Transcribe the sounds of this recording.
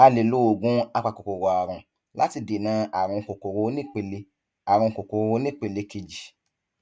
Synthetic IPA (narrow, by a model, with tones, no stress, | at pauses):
a˧le˨lo˦o˨ɡũ˦a˧k͡pa˨ko˨ko˨ɾo˨a˨ɾ̃ũ˧ | la˦ti˧de˨nã˨˧˦a˨ɾ̃ũ˧ko˨ko˨ɾo˧˦nĩ˦k͡pe˧le˧ | a˨ɾ̃ũ˧ko˨ko˨˧o˧˦nĩ˦k͡pe˧˨le˧ke˧d͡ʒi˨